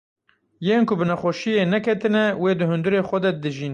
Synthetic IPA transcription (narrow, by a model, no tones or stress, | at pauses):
jeːnkʊbɨnɛxʷɔʃijeːnɛkʰɛt̪ɨnɛweːd̪ɨɦʊnd̪ɨɾeːxʷɛd̪ɛd̪ɨʒin